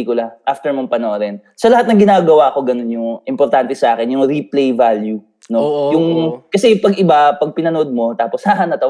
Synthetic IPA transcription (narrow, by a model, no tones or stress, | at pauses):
ikʊlɐʔaft̪ɛɹmoŋpɐnoʔɾɛn | sɐlɐhat̪̚nɐŋɡɪnaːɡɐwaːko̞ɡɐno̞njʊŋʔɪmpoɾt̪ant̪ɛsɐʔaːkɛnjʊŋɾiplejvalju | no̞jʊŋkɐsɛpɐɡʔɪbapɐɡ̚pɪnɐnoʔod̪̚mo̞t̪aːposhaɦɐnɐt̪ɐw